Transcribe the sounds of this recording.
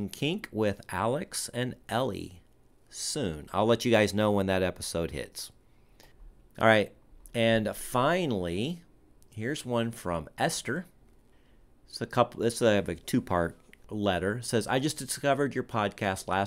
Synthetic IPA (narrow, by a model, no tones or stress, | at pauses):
ŋkʰɪ̃ŋkʰwɪðʔælˠəksɨ̃nʔɛlˠḭ | sʉ̃na̰ɪlɛt͡ʃɨɡaɪznoʊwə̃nðɨɾɛpəsoʊd̚hɪ̰ts | ʔɑ̰ɹaɪt̚ | ɨ̃nfãɪ̃nl̩ˠi | hɪɹzwʌ̃nfɹʌ̃mʔɛstə˞ | sɨkʰʌpðɪsvɨtʰʉpʰɑɹt̚lɛɾə˞sɛza̰ɪd͡ʒʌsd̥ɨskʌvə˞d͡ʒə˞pʰɑd̚kʰæstˡlæ